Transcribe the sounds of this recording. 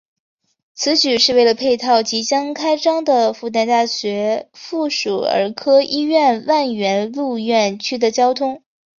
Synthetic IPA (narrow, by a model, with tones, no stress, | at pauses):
t͡sʰɹ̩˧˥t͡ɕy˨˩ʂɻ̩˥˧we˥˩ɪlə˩pʰe˥˧ɪt̪ʰɑ˥˩ʊt͡ɕi˧˥t͡ɕjɑ˥ŋkʰa˥ɪʈ͡ʂɑ˥ŋd̪ə˨fu˥˧t̪a˥˧nt̪a˥˩ɕɥɛ˧˥fu˥˩ʂu˨˩ə̰˞˧˥kʰɤ˥ʔi˥ɥɛ˥˧nwa˥˩nɥɛ˧˥nlu˥˧ɥɛ˥˩nt͡ɕʰy˥d̪ə˨t͡ɕjɑ˥ʊt̪ʰʊ˥ŋ